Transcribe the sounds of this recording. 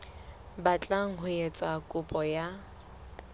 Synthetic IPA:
bat͡ɬʼaŋ̩hʊet͡sʼakʼʊpʼɔja

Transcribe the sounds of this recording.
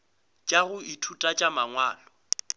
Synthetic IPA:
t͡ʃʼaɣʊitʰutʼat͡ʃʼamaŋwaːlɔ

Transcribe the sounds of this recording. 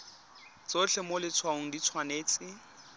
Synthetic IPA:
t͡sot͡ɬʰɛmolɪt͡sʰwaʊŋ̩dit͡sʰwaneːt͡sɪ

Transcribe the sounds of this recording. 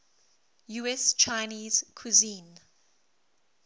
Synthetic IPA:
juɛst͡ʃʰaɪniːzkʰuzĩn

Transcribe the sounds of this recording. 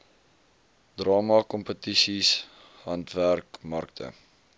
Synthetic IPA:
d̥rɑːmɐkɔmpətisis | ɦɐntværkmɐrktʰə̰

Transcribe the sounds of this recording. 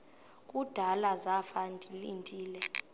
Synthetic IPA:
k̬ʼud̥ʱalazafandʱʼilintʼiːlɛ

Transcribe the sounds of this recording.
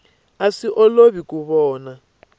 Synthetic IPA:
asiʔɔloβikuβɔːna

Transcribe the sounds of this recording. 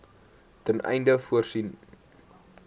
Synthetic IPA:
tənɛ̰jndəfuərsin

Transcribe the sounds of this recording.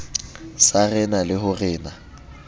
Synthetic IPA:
sarɛnalɪɦʊrɛːna

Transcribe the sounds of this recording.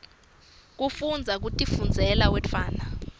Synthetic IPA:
k̬ufund͡zʱak̬utʼifund͡zʱɛlawɛfʰaːna

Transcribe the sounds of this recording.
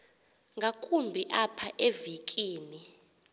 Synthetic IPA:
ŋɡʱakʰumbʱiʔapʰaʔevikʼiːni

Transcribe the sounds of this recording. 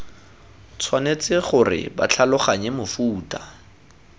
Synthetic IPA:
t͡sʰwanet͡sɪχʊrɪ̰ba̰t͡ɬʰalʊχaɲɛmʊfuːtʼa

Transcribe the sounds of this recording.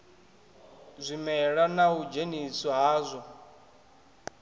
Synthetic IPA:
zʷimɛɺanaud͡ʒenisɔɦaːzʷɔ

